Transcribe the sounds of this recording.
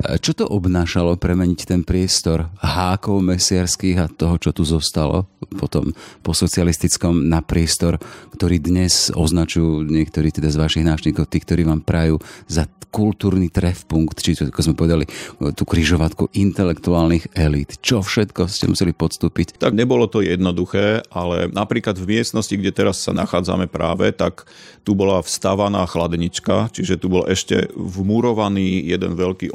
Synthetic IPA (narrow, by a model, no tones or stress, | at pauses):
t͡ʃɔt̪ɔʔɔbnaːʃalɔpɾɛmɛɲict̪ɛnpɾɪɛst̪ɔɾɦaːkɔʊmɛsɪaɾskiːɣat̪ɔɦɔt͡ʃɔt̪uzɔst̪alɔ̰pɔt̪ɔ̰mpɔsɔt͡sialist̪it͡skɔmnapɾɪɛst̪ɔɾkt̪ɔɾiːd̪ɲɛzɔznat͡ʃujuɲɪɛkt̪ɔɾiːt̪ɛd̪azʋaʃiɣnaːt͡ʃɲiːkɔʊt̪iːk̚t̪ɔɾiːʋaːmpɾajuːzakult̪uːɾnit̪ɾɛfpuŋkt̪t͡ʃiɛakɔzmɛpɔʋɛd̪alit̪uːkɾiʒɔʋat̪kuʔint̪ɛlɛkt̪uaːlniɣɛlit̪t͡ʃɔfʃɛt̪kɔscɛ̰mṵsɛlipɔt̪st̪uːpict̪aɡɲɛbɔlɔt̪ɔjɛd̪nɔd̪uxɛːʔalɛ̰napɾiːklad̪vmɪɛst̪nɔsciɡɟɛt̪ɛɾasːa̰naxaːd͡za̰mɛpɾa̰ːʋɛ̰t̪ak | t̪ubɔlafst̪aʋanaːxlad̪ɲit͡ʃkat͡ʃiʒɛt̪ubɔlʔɛʃcɛ̰vmuɾɔʋaniːjɛd̪ɛ̰nʋɛʎkiː